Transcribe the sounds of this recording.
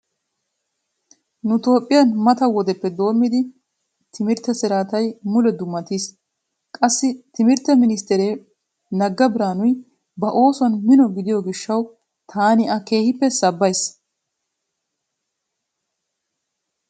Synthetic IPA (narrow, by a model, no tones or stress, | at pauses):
nʊt̪o̞ːpʼːɪjɐnmɐt̪ɐwɔd̪ɛpːɛd̪o̞ːmːɪd̪ɪ | t̪ʰɪmɪɾt̪ːɛsɪɾaːt̪ɐjmʊlɛd̪ʊmːɐt̪iːs | kʼɐsːɪt̪ɪmɪɾt̪ɛmɪnɪst̪ɛɾeː | nɐɡːɐbɪɾaːnʊj | bɐʔo̞ːsɔnmɪnɔɡɪd̪ɪjɔɡɪʃːɐw | t̪ʰaːnɪʔɐke̞ːhɪpːɛsɐbːɐjs